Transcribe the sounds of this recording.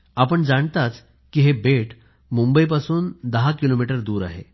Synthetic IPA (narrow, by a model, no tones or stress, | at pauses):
apəɳd͡zaɳt̪at͡s | kiɦebeʈ | mumbəip̬asuːnd̪əɦakilomiʈəɾd̪uːɾa̰ɦḛ